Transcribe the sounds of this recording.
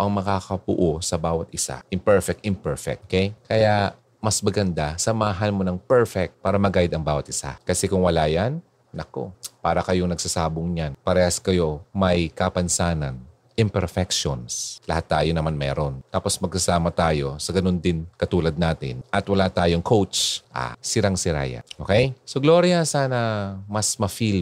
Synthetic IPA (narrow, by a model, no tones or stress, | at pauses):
ʔɐŋmɐkaːkɐbʊ̰ʔosɐbaːwɐt̪̚ʔɪsa̰ʔɪmpɛɹfɛk̚t̪ɪmpɛɹfɛ̰k̚ʔkejkɐja | mɐsmɐɡɐnd̪asɐmaːɦɐnmo̞nɐŋpɛɹfɛk̚t̪̚paːɾɐmɐɡaːjɪd̪ɐŋbaːwɐt̪ʔɪsa̰kɐsɛkʊŋwɐlaːjan | nɐko̰paːɾɐkɐjoŋnɐɡ̚sɐsaːboŋɲanpɐɾɛːhɐskɐjo̞mɐjkɐpɐnsaːnɐn | ʔɪmpɛɾfɛk̚ʃonslɐhat̪ːaːjonɐmanmɛ̰ːɾont̪aːpo̞smɐɡsɐsaːmɐt̪aːjo̞sɐɡɐno̞nd̪ɪnkɐt̪uːlɐd̪̚naːt̪ɪ̰nʔɐt̪wɐlat̪aːjoŋkʰowt͡ʃʔa̰ːsɪɾaŋsɪɾa̰ja̰ʔoːkɛjsoɡlo̞ːɾjɐsaːnɐmɐsmɐfil